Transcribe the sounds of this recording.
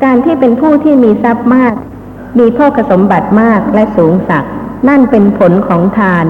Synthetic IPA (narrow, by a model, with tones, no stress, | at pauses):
kaː˧nt̪ʰiː˥˩pe˧npʰuː˥˩t̪ʰiː˥˩miː˧sa˦˥p̚maː˥˩k̚ | miː˧pʰɔː˥˩kʰa˧so˩˦mba˨˩t̪̚maː˥˩k̚lɛ˦˥ʔsuː˩˦ŋsa˨˩k̚na˥˩npe˧npʰo˩˦nkʰɔː˩˦ŋt̪ʰaː˧n